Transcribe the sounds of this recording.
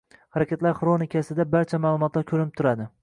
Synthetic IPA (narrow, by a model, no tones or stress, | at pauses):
haɾakʲat̪laɾχɾonɪkʲʰasɪd̪abaɾt͡ʃʰamaːlˠʊmɒt̪laɾkʲʰɵɾɪnɪp̚t̪ʰʊɾad̪ɪ